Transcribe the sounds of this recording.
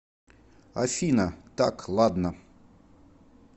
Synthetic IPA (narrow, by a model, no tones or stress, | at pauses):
ɐ̰fʲinət̪a̰klˠad̪nə